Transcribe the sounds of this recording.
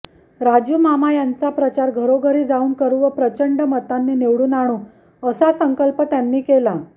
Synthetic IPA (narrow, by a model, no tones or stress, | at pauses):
ɾad͡ʑumamajant͡sapɾət͡ɕaɾɡʱəɾoɡʱəɾiːd͡zauːnkəɾuʋəpɾət͡ɕəɳɖəmət̪anːiːneʋɽuːnaɽ̃u | əsasəŋkəlpət̪janːiːkela